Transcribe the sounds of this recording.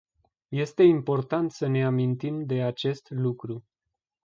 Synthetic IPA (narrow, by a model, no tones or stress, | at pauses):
je̞st̪e̞impo̞rt̪ant̪səne̞amint̪imd̪e̞at͡ʃe̞st̪lukɾu